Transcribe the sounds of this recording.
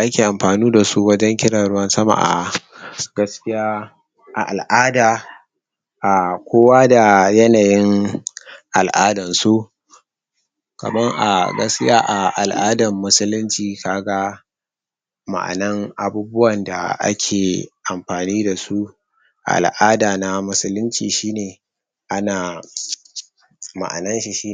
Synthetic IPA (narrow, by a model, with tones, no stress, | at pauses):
ʔa˦kʲeː˨ʔa˨mɸaː˨nuː˦da˨su˦wɐ˦d͡ʒɐ˦ŋkʲɪ˦ɽa˨ɽʊ˦wɐ˦nsɐ˦ma̰˨ʔa̰˨ | ɡ̥ɐ˦skʲɪ˦jaː˦ | ʔa̰˨ʔa˨lʔaː˦daː˨ | ʔa˨kʷoː˦waː˦da˨jɐ˦naː˨jɪ˦ŋ | ʔa˨lʔaː˦dɐ˨nsu˦ | kɐ̰˨mɐ˦ŋʔa̰˨ɡɐ˦skʲɪ˦jaː˦ʔa˨ʔa˨lʔaː˦dɐ˨mːʊ˦sʊ˦lʊ˦nt͡ʃiː˨kaː˦ɡa˦ | ma̰˨ʔa̰˨nɐ˦ŋʔa˨buː˦bʊ˦wɐ˨nda˨ʔa̰˦kʲʰeː˨ʔa˨mɸaː˨niː˦da˨su˦ | ʔa̰˨lʔaː˦daː˨na˦mʊ˦sʊ˦lʊ˦nt͡ʃḭː˨ʃiː˦neː˨ | ʔa˦naː˨ | ma̰˨ʔa̰˨nɐ˦nʃi˨ʃiː˦